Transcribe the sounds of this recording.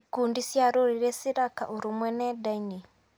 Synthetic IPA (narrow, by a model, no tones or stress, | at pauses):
kundisjaɾoɾiɾɛsiɾaka̰ʔuɾumwɛnɛdaini